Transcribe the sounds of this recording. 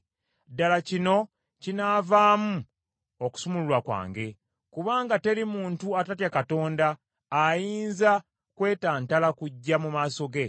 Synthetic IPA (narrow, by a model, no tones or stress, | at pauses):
dalacino̞ | cinaːvaːmu | oku̥sumululwakwa̰ːŋɡe̞ | kuβaːŋɡate̞ɾimuːntuatatjakato̞ːndaː | jiːnza | kwe̞ːtaːntalakuɟːamumaːso̞ɡe̞